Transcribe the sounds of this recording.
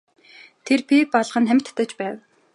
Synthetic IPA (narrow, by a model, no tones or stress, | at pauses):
t̪ʰerpipɔɮʁə̆nχæmʰʲt̪ːə̆t͡ɕpæːw